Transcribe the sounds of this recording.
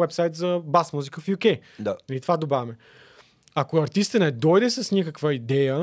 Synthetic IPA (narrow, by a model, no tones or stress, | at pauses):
ɛpsajt̪zɐbasmuzikəfjukɛj̪anɐlit̪ovad̪obavʲɛmɛ | akoɐɾt̪ist̪ənɛd̪ɔjd̪ɛsɐsnʲikəkvəid̪ɛjə